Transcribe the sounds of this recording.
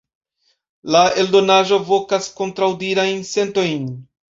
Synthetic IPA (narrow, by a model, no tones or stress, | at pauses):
lae̞ldo̞naʒo̞vo̞kaskontɾawdiɾajnse̞nto̞jn